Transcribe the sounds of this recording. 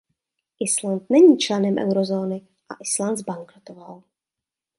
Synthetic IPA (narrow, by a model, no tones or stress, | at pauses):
ʔɪslant̪nɛɲiːt͡ʃlɛnɛmʔɛ̰wɾozoːnɪ | ʔa̰ʔɪslant̪zbaŋkɾot̪oval